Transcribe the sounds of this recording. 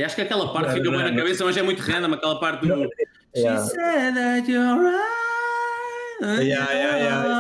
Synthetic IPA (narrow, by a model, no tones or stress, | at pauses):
iaʃu̥kɐkɛlˠɐpaɾt̪fikɐβ̃j̃nɐkɐβesɐmɐ̃ʒɛmũj̃t̪uʁɛ̃nd̪ɐmɐɐkɛlˠɐpaɾt̪ðu | ɛsɛðɐtjɔla | jɛjaj